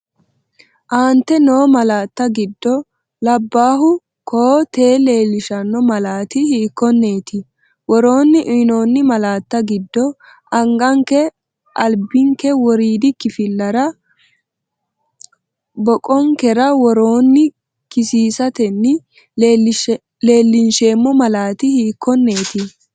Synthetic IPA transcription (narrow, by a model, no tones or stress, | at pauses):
ʔaːnt̪ːɛno̞ːmɐlaːt̪ːɐɡɪd̪ːɔ | lɐbːaːɦʊ | koːt̪e̞ːle̞ːlːɪʃɐnːɔmɐlaːt̪ɪhiːkːɔnːe̞ːt̪ɪ | wɔɾo̞ːnːɪʔno̞ːnːɪmɐlaːt̪ːɐɡɪd̪ːɔ | ɐŋɡɐŋkɛ | ʔɐlbɪŋkɛwɔɾiːd̪ɪkːɪfɪlːɐɾɐ | bɔkʼɔŋkɛɾɐwɔɾoːnːɪ | kɪsiːsɐt̪ɛnːɪ | le̞ːlːɪnʃe̞ːmːɔmɐlaːt̪ɪhiːkʰːɔnːe̞ːt̪ɪ